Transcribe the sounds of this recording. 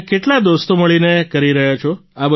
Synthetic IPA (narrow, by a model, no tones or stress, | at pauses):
keʈlad̪ost̪oməɭinekəɾiɾəɦat͡ʃʰoabə